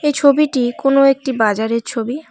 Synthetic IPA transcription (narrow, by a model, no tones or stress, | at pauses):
ejt͡ɕʰobiʈikonoek̚ʈibad͡ʑaɾeɾt͡ɕʰobi